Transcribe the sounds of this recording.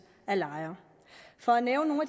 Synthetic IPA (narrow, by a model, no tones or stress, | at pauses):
ælɑ̈ɪɐ | fɒ̽æneʊnːo̝ːnæd̥